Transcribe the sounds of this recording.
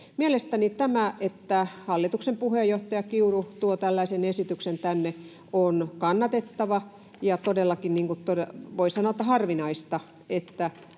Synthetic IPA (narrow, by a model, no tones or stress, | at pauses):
mielest̪ænit̪æmæet̪ːæhɑlːit̪uksempuhejoht̪ɑjɑkiurut̪uot̪ælːæisenesit̪yksent̪ænːe | onkɑnːɑt̪et̪ːɑʋɑ | jɑt̪odelːɑkinniːŋkutt̪odeʋoisɑnoˑt̪ːɑhɑrʋinɑist̪ɑ | et̪ːæ